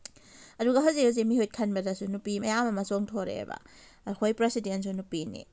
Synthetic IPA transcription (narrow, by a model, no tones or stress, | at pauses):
ɐduɡɐɦɐwziaz̬emihojt̚kʰɐnbɐdɐsunupimɐjamɐmɐsoŋtʰoɾḛbɐ̰ː | kʰojpɾesidens̬unupinḭ